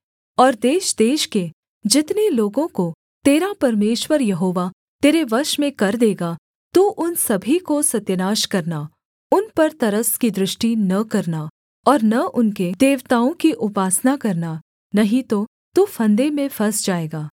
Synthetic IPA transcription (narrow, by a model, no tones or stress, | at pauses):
ɔːɾd̪eːʃd̪eːʃke | d͡ʒɪt̪neloːɡõko | t̪eːɾapɐɾmeːʃwəɾjɐɦoːʋa | t̪eːɾeʋɐɾʃmẽkɐɾd̪eːɡa | t̪uʔʊnsɐbʱikosɐt̪jənaːʃkɐɾna | ʊnpɐɾt̪ɐɾəskid̪ɾɪʃʈinɐkɐɾna | ɔːɾnɐʔʊnked̪eːʋt̪aːõkiʔʊpaːsnakɐɾna | nɐɦĩt̪o | t̪ufʰɐ̃nd̪emẽfʰɐsd͡ʒaːeːɡaː